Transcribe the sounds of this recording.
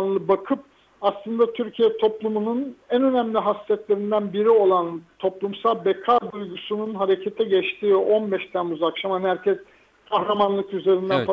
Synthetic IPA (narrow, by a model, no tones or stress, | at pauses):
nlˠɯbakʰɯp̚ | aslˠɯnd̪at̪ʰyɾcʰijɛt̪ʰo̞plˠumununænø̞næmlʲiɦasːɛt̪lʲe̞ɾind̪ænbiɾio̞lˠant̪ʰo̞plˠumsalˠbekʰad̪ujɡusununɦaɾe̞cʰet̪ʰɛɟɛt͡ʃt̪ʰiːo̞nbɛʃt̪ʰænuzakʃamanhæɾcʰɛs | kʰahɾamanlˠɯkyze̞ɾind̪ænfa